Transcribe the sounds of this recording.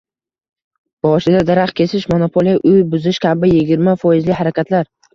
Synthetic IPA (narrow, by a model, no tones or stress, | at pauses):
b̥ɒʃɪd̪ad̪aɾaχkʲʰe̞sɪʃmonopʰolijaʔʊjbʊzɪʃkʲʰabɪjɪɡʲɪɾmafɒjɪzlɪhaɾakʲʰat̪ʰlaɾ